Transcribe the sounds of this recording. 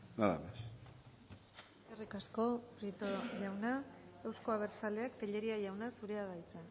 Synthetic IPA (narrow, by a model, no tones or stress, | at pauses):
laða̰βes | eskerikasko̞pɾit̪oʝawnaewsko̞aβ̞e̞ɾt͡sale̞akt̪eʎe̞ɾiaʝawnasuɾe̞aðajt͡s̪e